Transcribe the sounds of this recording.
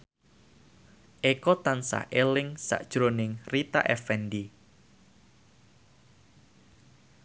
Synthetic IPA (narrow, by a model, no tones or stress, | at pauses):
ʔekɔt̪ansa̰hʔelɪŋsa̰ʔd̥ʒ̥ɾonɪŋrit̪a̰ʔɛfɛndi